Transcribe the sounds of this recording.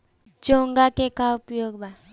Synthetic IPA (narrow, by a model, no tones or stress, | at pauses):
d͡ʒoːŋɡakekaʊpjoːɡba